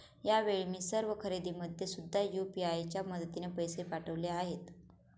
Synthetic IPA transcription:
jaʋeɭmiːsəɾʋəkʰəɾed̪iməd̪ʱjesud̪ʱːajupiajt͡ɕjaməd̪ət̪inepəjsepaʈəʋleaɦet̪

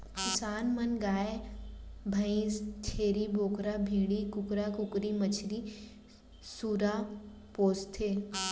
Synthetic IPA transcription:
kɪsaːnmɐnɡaːe | bʱə̃ĩːzt͡ʃʰeːɾibʱoːkɾabʱiːɽikʊkɾakʊkɾimɐt͡ʃʰɾi | suːɾa | poːst̪ʰeː

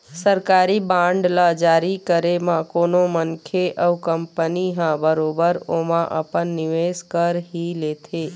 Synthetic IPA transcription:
səɾkaːɾibãːɳɖlad͡ʒaːɾikəɾemãkoːnomənkʰeʔəwkəmpəniɦãbəɾoːbəɾoːmãʔə̰pənːɪʋeːskəɾɦileːt̪ʰeː

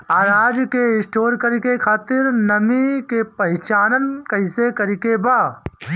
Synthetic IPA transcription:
aːɾaːd͡ʒkeɪsʈoːɾkəɾikekʰaːt̪ɪɾnɐmikepɐɦɪt͡ʃaːnənkɐɪsekɐɾikebaː

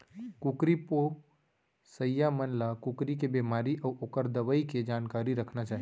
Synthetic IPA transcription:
kʊkɾipo | səjjːamənlakʊkɾikebeːmaːɾiʔɔːʔoːkəɾd̪əʋəiked͡ʒaːnkaːɾiɾəkʰnat͡ʃaːɦi

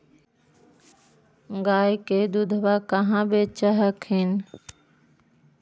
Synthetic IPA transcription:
ɡaːjkeːd̪ud̪ʱʋaːkəɦãːbeːt͡ʃəɦəkʰɦɪn

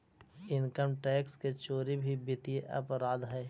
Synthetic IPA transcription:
ɪnkəmʈɛːksket͡ʃoːɾibʱibɪt̪ijeʔɐpɾaːd̪ɦɛː

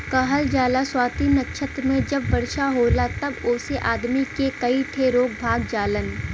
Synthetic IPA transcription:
kaɦəld͡ʒaːlaswaːt̪iːnɐkʃʰət̪ɾmẽd͡ʒɐbːɐɾʃaɦoːlat̪ɐbʊːseʔaːd̪mikekɐiʈʰeɾoːk̚bʱaːɡd͡ʒaːlən

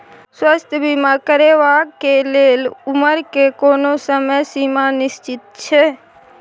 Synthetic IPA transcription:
swəst̪ʰjəbimakəɾeʋakeleluməɾkekonosəməjsimanɪst͡ʃɪt̪̚t͡ʃʰe

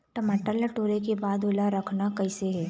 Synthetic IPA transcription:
ʈɐmaːʈalɐʈoːɾekebaːd̪ʊlaɾəkʰnakɐɪseɦɛː

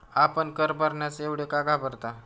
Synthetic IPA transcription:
apəɳkəɾbəɾɳjat͡seʋɽjekaɡabəɾt̪a

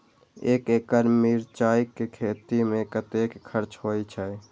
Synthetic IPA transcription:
eːkeːkəɾmiɾt͡ʃaːikːekʰeːt̪imẽkət̪ekʰəɾt͡ʃɦojt͡ʃʰɛ

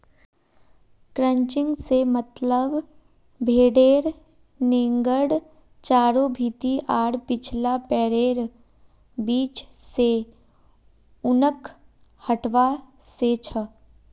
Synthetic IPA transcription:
kɾə̃ɲt͡ʃɪ̃ŋɡsemət̪ləb | bʱeːɽeːɾ | nẽːŋɡəɽ | t͡ʃaːɾobʱiːt̪iʔaːɽpɪt͡ʃʰlapɛːɾeːɾ | biːt͡ʃse | ʊnəkʰ | həʈʋaset͡ʃʰə

